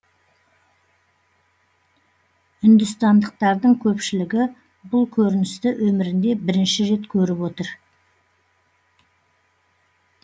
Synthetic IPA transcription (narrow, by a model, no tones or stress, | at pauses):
ʏnd̪ʏst̪ɑnd̪əq̚t̪ɑɾd̪əɴkʲʰɵpʃɪlɪɡʲɪ | bʊlˠkʲʰɵɾɪnɪst̪ɪʔwʔɵmɪɾɪnd̪e̞bɪɾɪnʃɪɾe̞t̪kʲʰɵɾɪpwo̞t̪əɾ